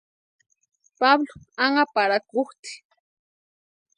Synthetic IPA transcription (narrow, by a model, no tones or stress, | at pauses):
pablo | aŋapaɾakʊχt̪i̥